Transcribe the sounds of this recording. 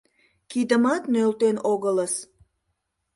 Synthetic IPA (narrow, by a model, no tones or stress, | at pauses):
kid̪əmɑt̪nølt̪enoɣələs